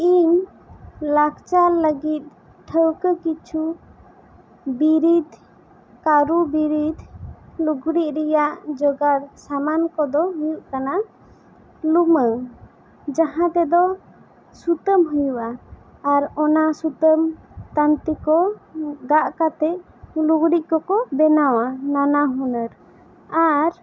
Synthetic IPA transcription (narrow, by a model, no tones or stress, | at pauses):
iɲ | lakt͡ʃaləɡit̪̚ | ʈʰəwkəkit͡ʃʰu | biɾid̪ʱ | kaɾubiɾid̪ʱluɡɽiʔ̚ɾɛjaʔd͡ʒɔɡaɾsamankɔd̪ɔɦujuʔkana | lumə | d͡ʒaɦãt̪ɛd̪ɔ | sut̪əmɦujuʔaː | ɾɔnasut̪əmt̪ant̪ikɔɡaʔkat̪ɛʔ | luɡɽiʔ̚kɔkɔbɛnawananaɦɔnəɾ | aɾ